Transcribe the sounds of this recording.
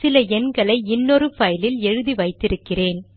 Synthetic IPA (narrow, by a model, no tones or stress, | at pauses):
sɪlɐɛnɡɐɭɐɪɪnːɔɾɯfɐjlɪlɛɻɯðiʋɐɪt̪ːɪɾɯkːɪreːn